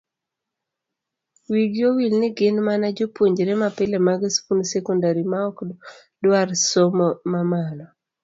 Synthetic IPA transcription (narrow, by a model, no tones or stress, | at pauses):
wiɡjowilnɪɡɪnmanad͡ʒopwoɲd͡ʒɾɛmapɪlemaɡɪspunsɛkɔndaɾimaɔk | dwarsomɔmamanɔ